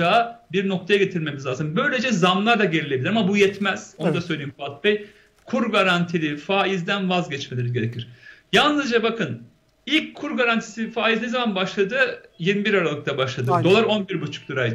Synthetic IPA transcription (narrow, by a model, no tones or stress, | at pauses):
abiɾno̞k̚t̪ʰajaɟe̞t̪ʰiɾme̞mizlʲˠaːzɯnbø̞jlʲe̞d͡ʒɛzamlˠaɾd̪aɟelʲilʲeilʲiɾamabujɛt̪mæz̥o̞nud̪asøjlʲeimfat̪̚bɛj | kʰuɾɡaɾant̪ʰilʲifaːizd̪ænvazɟɛt͡ʃmelʲiɾizʲɟeɾecʰiɾ̥jalˠnɯzd͡ʒabakʰɯn | ilʲckʰːuɾɡaɾant̪ʰi̥sifaːiznezamanbaʃlˠad̪ɯjiɾmibiɾaɾalˠɯk̚t̪ʰabaʃlˠad̪ɯd̪o̞lˠaɾo̞nbiɾbut͡ʃʰu̥k̚lˠɯɾaj̪